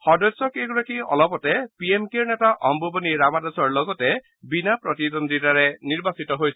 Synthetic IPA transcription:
xɔdɔsːɔkeɡɔɹakiɔ̰lɔpɔtɛpiemkeɹnɛtaʔʔɔmbʱobɔniɹamadɔsɔɹlɔɡɔtɛ | binapɹɔtidɔndɹitaɹɛniɹbasitɔɦojsɛ

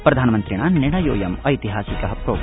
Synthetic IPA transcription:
pɾɐd̪ʱaːnɐmɐnt̪ɾiɳaːniɽɐjo̰ːjɐmɐjt̪iɦaːsikɐɦɐpɾoːɡ

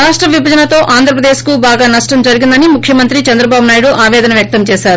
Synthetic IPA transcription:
aːʂʈɾɐʋibʱɐd͡ʒɐnɐt̪o̞ːʔaːnd̪ʱɾɐp̬ɾɐd̪eːʃkubaːɡaːnɐʂʈɐmd͡ʒɐɾiɡind̪ɐnimukʰjɐmɐnt̪ɾit͡ʃɐnd̪ɾɐbaːbunaːjɽuʔaːʋɛːd̪ɐnɐʋjɐk̚t̪ɐmt͡ʃɛːʃaːɾu

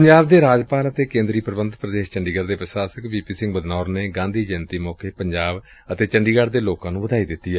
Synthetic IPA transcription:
əɲd͡ʒaːbd̪eːɾaːd͡ʒpaːlət̪eːkẽːnd̪ɾiːpɾəbənd̪pɾəd̪eːʃt͡ʃəɳɖiːɡəɾd̪eːpɾəsaːsəkbiːpiːsɪ̃ŋɡbəd̪naːɾneːɡãːnd̪iːd͡ʒɛːnt̪iːmɔːkeːpəɲd͡ʒaːb | ət̪eːt͡ʃəɳɖiːɡəɽd̪eːloːkãːnũːbəd̪aːiːd̪ɪt̪ːiːɛː

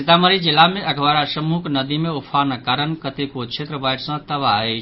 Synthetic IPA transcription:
it̪aməɾid͡ʒilːameʔəɡʋaɾasəmuknəd̪imeupʰanəkaɾənkət̪ekot͡ʃʰet̪ɾəbajʈsə̃t̪əʋaet͡ʃʰ

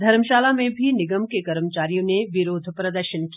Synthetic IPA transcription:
d̪ʱɐɾmʃaːlamẽbʱinɪɡəmkekɐɾmət͡ʃaːɾijõneʋɪɾoːd̪ʱpɾɐd̪əɾʃənki

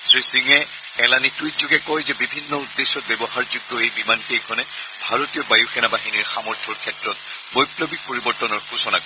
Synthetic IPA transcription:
sɹisiŋɛ | ɛlanituitzuɡɛkɔjzɛbibʱinːɔudːesːɔt̚bɛbɔhaɹzuɡ̚tɔejbimankekʰɔnɛ | bʱaɹotijɔbajuxɛnabaɦiniɹxamɔɹtʰɔɹkʰɛtɹɔt̚ | bojplɔbik̚poɹibɔɹtɔnɔɹɡʱusɔna

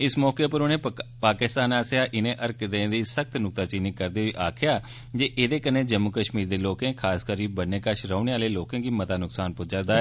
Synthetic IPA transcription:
ɪsmɔːkeːpəɾʊnẽːpaːkɪst̪aːnaːsjaːʔɪnẽːʔəɾkd̪ẽd̪iːsək̚t̪nʊk̚t̪aːt͡ʃiːnɪkkəɾd̪eːiːʔaːkʰɪjaː | d͡ʒeːʔeːd̪eːkənːẽːd͡ʒəmːʊkəʃmiːɾd̪eːloːkẽːkʰaːskəɾiːbənːẽːkəʃɾəʊneːaːleːloːkẽːɡiːmət̪aːnʊksaːnpʊd͡ʒəɾd̪aːɛː

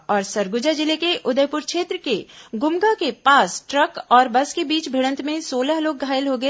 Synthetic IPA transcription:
ɔːɾsɐɾɡʊd͡ʒad͡ʒɪlekeʔʊd̪əjpʊɾkʰʃeːt̪ɾəkeɡʊmɡakepaːsʈɾɐkɔːɾbɐskebiːt͡ʃbʱiɽ̃ə̃nt̪mẽsoːləɦloːɡ̚ɡʱaːɪlɦoɡɐe

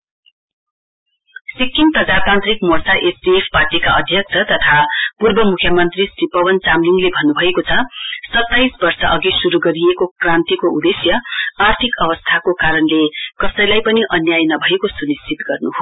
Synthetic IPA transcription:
sikːinprʌd͡zat̪ãnt̪rikmorsaʔesdiepʰparʈikaʌd̪ʱjʌk̚t͡sʰʌt̪ʌt̪ʰapurbʌmukʰjamʌnt̪risripʌwʌnt͡samliŋlebʱʌnːubʱʌekot͡sʰʌsʌt̪ːajsbʌrsʌʔʌɡisuɾuɡʌɾiekokrant̪ikoṵd̪esjʌart̪ʰikʌbʌst̪ʰakokaɾʌnlekʌsʌjlajpʌniʔʌnjajnʌbʱʌekosunist͡sʰit̪ɡʌrnuɦo

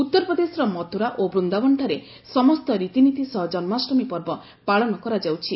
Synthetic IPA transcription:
ut̪ːɔɾpɔd̪esɔɾɔmɔt̪uɾaʔobɾund̪abɔɳʈʰaɾe | sɔmɔst̪ɔɾit̪init̪isɔɦd͡ʒɔnmasɾɔmipɔɾbɔ | paɭɔnɔkɔɾad͡ʒawt͡ʃʰi

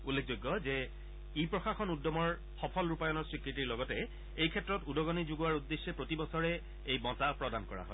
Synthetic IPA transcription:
ulːek̚ʰzojɡːɔzɛ | ipɹɔxaxɔnudːɔmɔɹ | xɔpʰɔlɹupajɔnɔɹsɹikɹitiɹlɔɡɔtɛ | ejkʰɛtːɹɔtudɔɡɔnizuɡuwaɹudːeʃːɛpɹotibɔsɔɹɛ | ejbɔtapɹɔdankɔɹa̰ɦɔ̰

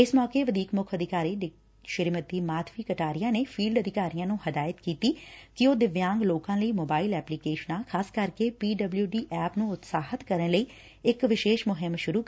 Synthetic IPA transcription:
ɪsmɔːkeːʋəd̪ʱiːkmʊkʰəd̪ʱɪkaːɾiːɖɪ | ʃəɾmət̪iːmaːt̪ʰʋiːkəʈaːɾijãːneːpʰiːlɖəd̪ɪkaːɾijãːnũːhəd̪aːjət̪kiːt̪iːkɪoːd̪ɪʋjãːŋɡloːkãːləiːmoːbaːilɛːplikeːʃənãːkʰaːskəɾkeːpiːɖəbljuːɖiːʔɛːpnũːʊt̪saːɦət̪kəɾənləiː | ɪkʋɪʃeːʃmʊɦɪmʃʊɾuː

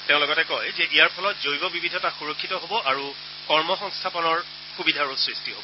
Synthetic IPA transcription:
teʊ̃lɔɡɔtɛkɔjzɛʔijaɹpʰɔlɔtzojbɔbibʱidʱɔtaxuɹokʰːitɔɦobɔʔaɹu | kɔɹmɔxɔ̃ŋstʰapɔnɔɹ | xubidʱaɹusɹistiɦo̰bɔ

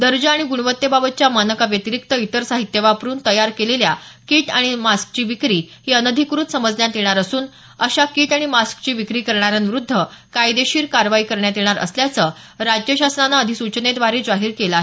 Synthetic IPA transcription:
d̪əɾd͡ʑəaɽ̃iɡuɽʋət̪ːjebabət̪̚t͡ɕjamanəkaʋjət̪iɾik̚t̪əit̪əɾsaɦit̪ːjeʋapɾuːnt̪əjaɾkeleljakiːʈaɽ̃imask̚t͡ɕiːʋikɾiːhiənəd̪ʱikɾut̪səməd͡zljãnt̪jeɽ̃aɾəsuːn | əɕakiːʈaɽ̃imaskt͡ɕiːʋikɾiːkəɾɳaɾjanʋiɾud̪ʱːəkajd̪eɕiːɾkaɾʋaikəɾɳjat̪eɽ̃aɾʔə̰sljat͡sə | ɾad͡ʑjəɕasnanaəd̪ʱisut͡ɕned̪ʋaɾed͡zaɦiːɾkelae

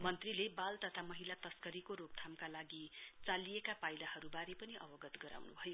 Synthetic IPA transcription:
mʌnt̪rilebalt̪ʌt̪ʰamʌɦilat̪ʌskʌɾikoɾoɡ̚t̪ʰamkalaɡit͡salijekapajlahʌɾubaɾepʌniʔʌ̰bʌɡʌt̪ɡʌɾa̰wnṵbʱʌjo

